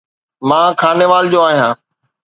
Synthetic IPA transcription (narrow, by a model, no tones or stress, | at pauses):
mãːkʰaːneʋaːld͡ʑoːaːɦijãː